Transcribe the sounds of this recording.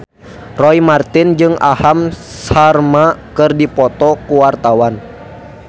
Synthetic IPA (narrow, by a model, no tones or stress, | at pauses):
rɔimart̪ɪnd͡ʒɨŋa̰ham | sarmakɨrdipɔt̪ɔkuwart̪awan